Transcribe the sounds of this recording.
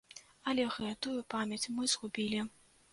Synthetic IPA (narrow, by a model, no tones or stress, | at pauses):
ɐlʲɛɣɛt̪ujupamʲjɐt͡sʲmɨzɣubʲilʲi